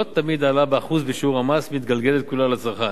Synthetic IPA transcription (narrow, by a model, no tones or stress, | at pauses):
ot̪ːamid̪aːlabeaχuzbeʃuʁamasvmit̪ɡalɡelet̪̚kulalat͡saʁχan